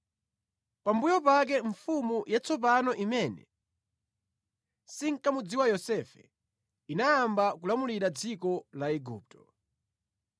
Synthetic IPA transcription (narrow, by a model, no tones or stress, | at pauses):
pambujɔpak̬ɛɱfumujat͡sɔp̬anɔʔimɛnɛ̰ | siŋ̩kamud͡ziwajɔsɛfɛ̰ | inaːmbakulamuliɾad͡zikɔlaɛɡuːp̚tʰɔ̥